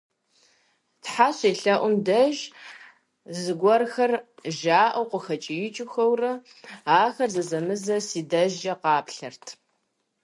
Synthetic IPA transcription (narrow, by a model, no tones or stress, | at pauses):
tħaɕeːɬɐʔʷʊmdɐʒ | zɨɡʷɔrxɐrʒaːʔɐwqʷʊxɐt͡ʃʼijɪt͡ʃʼɪxɐwrɐ | aːxɐrzɐzɐmɨzɐsiːdɐʒɐqɑːpɬɐrtʰ